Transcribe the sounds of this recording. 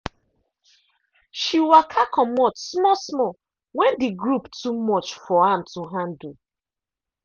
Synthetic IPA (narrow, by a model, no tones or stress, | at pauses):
ʃiwakʰakʰɔmɔtsmɔsmɔ | wɛ̃ndiɡɹuptumɔt͡ʃfɔãmtuɦãndu